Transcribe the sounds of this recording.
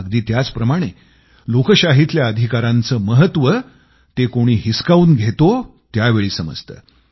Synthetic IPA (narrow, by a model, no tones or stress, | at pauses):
ɡd̪iːt̪jat͡spɾəmaɽ̃e | lokəɕaɦit̪ljaəd̪ʱikaɾãnt͡səːməɦət̪ʋə | t̪ekoɽ̃iːɦiskauːnɡʱet̪ot̪jaʋeɭiːsəmə̰d͡zt̪ə̰ː